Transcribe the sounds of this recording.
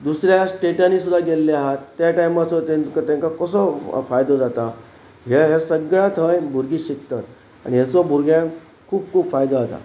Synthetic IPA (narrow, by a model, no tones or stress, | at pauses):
d̪usɾjasʈeʈanisud̪ʱaɡelːiaɦət̪ːjaʈajmat͡sɔt̪ẽnkat̪jãŋkakəsɔfajd̪od͡zat̪a | ɦeɦasəɡɭat̪ʰəjbʱuɾɡiɕik̚t̪at̪ | a̰ɽiɦjat͡sobʱuɾɡjã | kʰuːb̚kʰuːbfajd̪aɦot̪a̰